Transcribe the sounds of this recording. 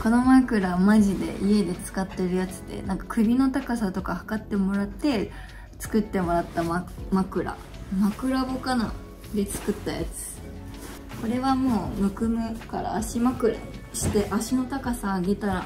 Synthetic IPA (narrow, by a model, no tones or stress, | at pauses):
ko̞no̞makɯ̟ɾamaʑid̪e̞̰ʔie̞d̪e̞t͡sɨ̥kat̪ːe̞ɾɯ̟jat͡sɨ̥d̪e̞̰nãŋkḁkɯ̟bʲino̞t̪akasat̪o̞kahḁkat̪ːe̞mo̞ɾat̪ːe̞ | t͡sɨ̥kɯ̟t̪ːe̞mo̞ɾat̪ːammakɯ̟ɾa̰ | makɯ̟ɾabokana̰ | d̪e̞t͡sɨ̥kɯ̟t̪ːaja̰t͡sɨ̥ | ko̞ɾe̞βamo̞ːmɯ̟kɯ̟mɯ̟ka̰ɾa̰ːɕimakɯ̟ɾa̰ɕi̥t̪e̞ʔaɕino̞t̪akasaːɡe̞t̪aɾa